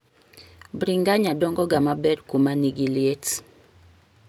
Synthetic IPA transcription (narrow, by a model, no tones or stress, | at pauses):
bɾiŋɡaɲadɔŋɡɔɡamabɛrkumaniɡilijet